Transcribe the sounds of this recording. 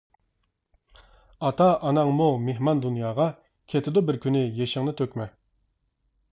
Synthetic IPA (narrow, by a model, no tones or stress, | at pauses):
ɑt̪ʰɑʔɑnɑŋmumeɦmɑnd̪unjɑːʁɑ | kʲʰet̪ʰɪd̪ʊbɪɾkʲynɪjeʃɪŋnɪt̪ʰøkʲmɛ